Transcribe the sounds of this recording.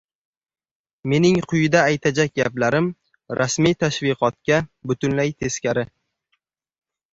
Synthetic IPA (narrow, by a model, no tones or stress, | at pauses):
me̞nɪŋqʰʊjɪd̪aːjt̪ʰad͡ʒak̚ʲɡʲablaɾɪm | ɾʔasmijt̪ʰaʃvɪqɒt̪̚kʲabʊt̪ʰʊnlajt̪ʰe̞skʲaɾɪ